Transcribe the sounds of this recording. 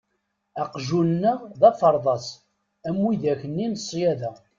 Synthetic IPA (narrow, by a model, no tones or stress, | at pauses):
æqʒunnːəʁðɑfəɾˤðˤɑsˤ | æmːwiðæçənːinəsˤːjæðæ